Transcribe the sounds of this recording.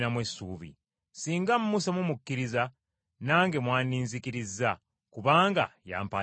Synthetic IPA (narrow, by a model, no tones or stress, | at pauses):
namwesːuːβḭ | siːŋɡamːusamumukːiɾiza | naːŋɡe̞mwaːniːnzikiɾizːa | kuβaːŋɡa̰ja̰ːmpa